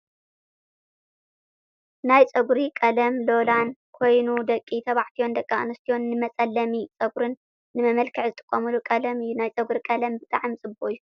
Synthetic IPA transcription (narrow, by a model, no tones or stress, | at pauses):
najt͡sʼɐɡɾikʼɐlɐmlo̞lankʰo̞jnud̪ɐkʼːit̪ʰɐβaʕt̪ʰijo̞nd̪ɐkʼːaɨnɐst̪ʰijo̞nːɨmɐt͡sʼɐlːɐmit͡sʼɐɡɾɨnː | ɨmɐmɐlkʰɐʕzɨt̪ʼɨ̥kʼːɐmɨlukʼɐlɐmɨjːunajt͡sʼɐɡɾikʼɐlɐmbɨt̪ʰʼaʕɨmsʼɨboʔɨjːu